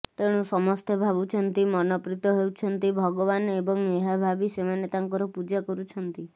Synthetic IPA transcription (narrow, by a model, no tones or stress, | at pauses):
t̪eɽ̃ũsɔmɔst̪ʰebʱaβut͡ʃʰɔnt̪imɔnɔpɾit̪ɔɦewt͡ʃʰɔnt̪ibʱɔɡɔβanebɔŋeɦabʱabisemanet̪aŋkɔɾɔpud͡ʒakɔɾut͡ʃʰɔnt̪i